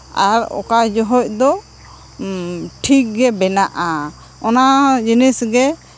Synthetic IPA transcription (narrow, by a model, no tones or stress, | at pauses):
aɾɔ̰kad͡ʒɔɦɔc̚d̪ɔ | ʈʰik̚ɡɛbɛnaʔa | ɔnad͡ʒinisɡɛ